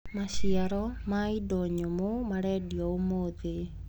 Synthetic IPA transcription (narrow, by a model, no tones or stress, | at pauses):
maɕiaɾɔmaidɔɲomomaɾɛːdiɔomoðe